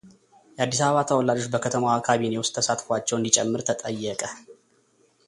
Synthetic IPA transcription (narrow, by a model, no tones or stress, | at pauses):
jɛʔad̪ːis̬aβəβat̪ʰəwɔlad͡ʒo̞t͡ʃːbəkʰət̪ʰəmawakʰaβinewʊst̪ʰːəsat̪fat͡ʃːɛwɨnd̪it͡ʃʼɛ̰mːɨɾt̪ʰət̪ʼəjːɛkʼə